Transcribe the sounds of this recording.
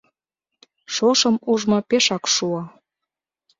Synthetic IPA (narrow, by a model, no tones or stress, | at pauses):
ʃoʃəmuʒmɑpeʃɑkʃuɑ